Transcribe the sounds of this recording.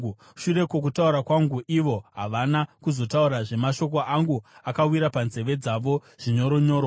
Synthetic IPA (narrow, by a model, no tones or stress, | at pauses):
ʃure̞kwok̬utauɾakwaŋɡuiʋo̞ɦaʋanakuzo̞tauɾaʐe̞maʃo̞k̬o̞aŋɡuakawiɾapanze̞ʋe̞d͡zaʋo̞ | ʐ̥iɲo̞ɾoɲo̞ːɾo